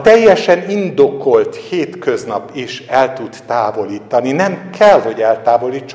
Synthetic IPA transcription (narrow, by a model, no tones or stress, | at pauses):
t̪ɛjːɛʃɛnind̪o̞ko̞lt̪heːt̪kø̞znɒpiʃɛlt̪ud̪t̪aːvo̞liːt̪ɒninɛmkʰɛlɦo̞ɟɛlt̪aːvo̞liːt͡ʃː